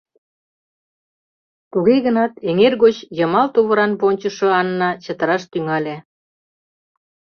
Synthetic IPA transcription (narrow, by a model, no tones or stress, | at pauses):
t̪uɣeɣənɑt̪eŋerɣot͡ɕjə̆mɑlt̪uβəɾɑnponʲt͡ɕə̆ʃŏɑnːɑt͡ɕət̪ə̆ɾɑʃt̪yŋɑlʲe